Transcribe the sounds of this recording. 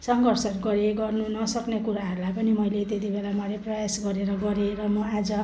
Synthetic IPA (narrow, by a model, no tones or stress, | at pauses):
sʌŋɡʌrsʌrɡʌɾeɡʌrnunʌsʌknekuɾaɦʌɾulajpʌnimʌjlet̪et̪ibelamʌleprʌjasɡʌɾeɾʌɡʌɾeɾʌmʌad͡zʌ